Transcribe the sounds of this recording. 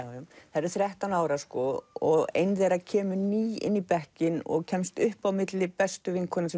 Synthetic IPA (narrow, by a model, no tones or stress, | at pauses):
θaɾɪɾθɾjɛht̪anaːwɾaskɔɔɣḛjnðejɾacʰɛːmʏniːɪ̰nːipɛhcɪnɔ̰ɣcʰɛmst̪ʏhpawmɪt̪lɪpɛst̪ʏvɪŋkʰɔɾnɪsɛ